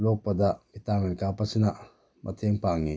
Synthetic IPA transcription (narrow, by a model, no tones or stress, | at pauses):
lopɐd̪abit̪amenkapɐsina | mʔɐ̰t̪ʰeŋpaŋi